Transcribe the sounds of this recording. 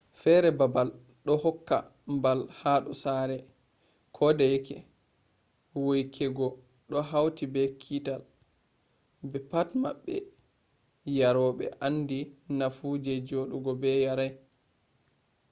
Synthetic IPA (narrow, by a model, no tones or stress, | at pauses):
fɛɾɛbabal | ɗɔhɔkːa̰ | mbalhaɗɔsaɾɛ | kʰɔdɛjkʰɛ̰ | wojkʰɛɡɔ | ɗɔɦawtibɛkʰital | bɛpatmaɓːɛ̰ | jaɾɔɓɛ̰ʔanːdinafud͡ʒɛd͡ʒoɗuɡɔbɛjaɾaj